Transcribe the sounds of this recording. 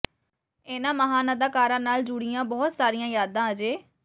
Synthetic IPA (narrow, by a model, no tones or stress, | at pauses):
eːnãːməɦãːnãːd̪aːkaːɾãːnaːld͡ʒʊɽɪjãːbɔːt̪saːɾɪjãːjaːd̪ãːəd͡ʒeː